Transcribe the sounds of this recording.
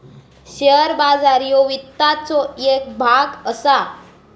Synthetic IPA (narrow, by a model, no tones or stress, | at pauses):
ɕeɾbad͡zaɾjɔʋit̪ːat͡sɔek̚bʱaɡəsa